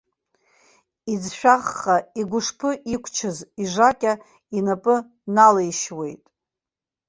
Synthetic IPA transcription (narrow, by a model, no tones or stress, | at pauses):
id͡zʃᶣaʁːaiɡʷʊʂpʰɨʔikʷʰt͡ʃʰɨziʐakʲʼa | inapʼɨ | nalejʃwe̞jtʼ